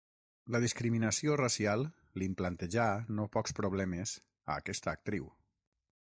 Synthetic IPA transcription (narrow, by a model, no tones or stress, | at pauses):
ləðiskɾiminəsiorasialˠ | limplant̪eʒanopɔkspɾoβ̞lɛmez | a̰ːkɛst̪əːk̚t̪ɾiw